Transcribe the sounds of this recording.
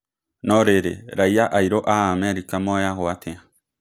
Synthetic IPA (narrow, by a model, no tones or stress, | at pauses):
noɾeɾḛɾajaʔajɾoʔaamẽaɾikamoajaɦoat̪ʰea